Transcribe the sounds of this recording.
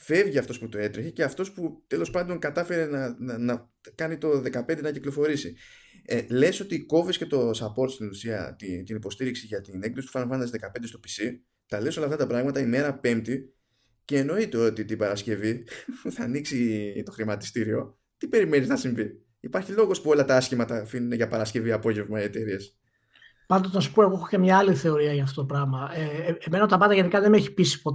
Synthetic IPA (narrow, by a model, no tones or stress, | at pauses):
fe̞vʝiɐft̪o̞sput̪oe̞t̪ɾiçece̞ɐft̪o̞sput̪e̞lo̞spɐnd̪o̞ŋkɐt̪ɐfe̞ɾe̞nɐnɐ | kɐnit̪o̞ðe̞kɐpe̞nd̪e̞nɐciklo̞fo̞ɾisi | ele̞so̞t̪iko̞visce̞t̪o̞sɐpo̞ɾt̪st̪inlusiɐ̰t̪it̪inipo̞st̪iɾiksiʝɐt̪inekðosi̥pu̥fɐnvɐnd̪ɐsðekɐpnd̪est̪o̞pi̥si | t̪ɐle̞so̞lɐft̪ɐt̪ɐpɾɐɣmɐt̪ɐime̞ɾɐpe̞mt̪i | ce̞ːno̞it̪e̞o̞t̪it̪ibɐɾɐsce̞viθɐniksit̪o̞xɾimɐt̪i̥st̪iɾio̞ | t̪ipe̞ɾime̞niznɐsiɱvi | ipɐɾçilo̞ɣo̞spuo̞lɐt̪ɐɐsçimɐt̪ɐfinuneʝɐpɐɾɐsce̞viɐpo̞ʝe̞vmɐie̞t̪e̞ɾies | pɐnd̪oznɐsu̥po̞e̞ɣo̞exocemɲɐɐliθe̞o̞ɾiɐʝɐft̪ot̪opɾɐɣmɐeeme̞nɐot̪ɐpɐnd̪ɐʝe̞nikɐðe̞meçi̥pisi̥po̞t̪